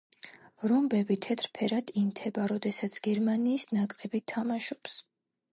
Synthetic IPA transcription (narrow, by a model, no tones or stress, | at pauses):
ɾɔmbɛbit̪ʰɛt̪ʰɾpʰɛɾad̪̥int̪ʰɛbaɾɔd̪ɛsat̪sʰɡɛɾmaniːsnakʼɾɛbit̪ʰːamaʃɔps